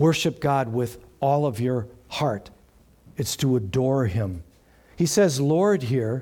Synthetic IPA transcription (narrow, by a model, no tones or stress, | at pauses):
wɜ˞ʃɨp̚ɡ̥ɑd̚wɪðɔlˠʌvjə˞hɑɹɾ | ɨtstʰəədɔɹɪ̃m | hisɛzlɔɹd̚ɦiɹ